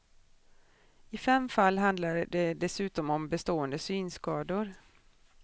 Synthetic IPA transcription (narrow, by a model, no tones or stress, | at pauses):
ɪfɛmfalːɦand̪laɾɖɛd̪ɛsʉ̟ːt̪ɔmɔmbɛst̪oːənd̪əsyːnskɑːd̪ʊɾ